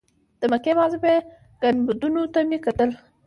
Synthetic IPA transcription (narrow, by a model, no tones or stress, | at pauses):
d̪̥əmakemɑzbe | ɡ̥anbud̪unot̪amekat̪əl